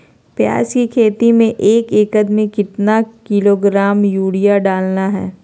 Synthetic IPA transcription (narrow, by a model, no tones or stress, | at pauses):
pja̰ːskikʰeːt̪imẽʔeːkeːkəd̪mikɪt̪nakɪloɡɾaːmjuːɽijaɖaːlnaɦɛ̰ː